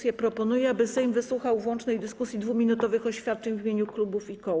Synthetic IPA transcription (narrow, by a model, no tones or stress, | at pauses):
sjɛpɾɔpɔnujɛabɘsɛjmvɘswuxawvwɔnt͡ʂnɛjd̪ɘskusʲjid̪vumʲinut̪ɔvɘxɔɕfʲjat̪̚t͡ʂɛɲvʲimʲjeɲuklubufikɔ